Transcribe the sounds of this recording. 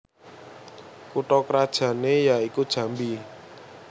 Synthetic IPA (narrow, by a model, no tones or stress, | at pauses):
kuʈɔkɾad̥ʒ̥ä̤nejaikud̥ʒ̥ä̤mbi